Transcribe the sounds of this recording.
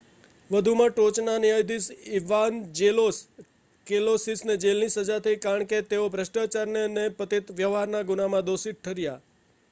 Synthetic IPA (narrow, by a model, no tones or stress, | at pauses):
ʋəd̪ʱumãʈot͡ʃnaniajd̪isiʋand͡ʒelos | kelosisned͡ʒelnisəd͡ʒat̪ʰəikaɾəɳket̪eobʱɾəʃʈat͡ʃaɾneənepət̪it̪ʋjəʋɦaɾnaɡʊnamãd̪osiʈʰəɾja